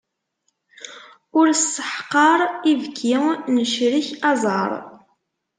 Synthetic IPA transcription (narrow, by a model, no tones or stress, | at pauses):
ʊɾsːə̥ħqːɑɾˤivkʰːinəʃɾiçɑzˤɑ̰ɾˤ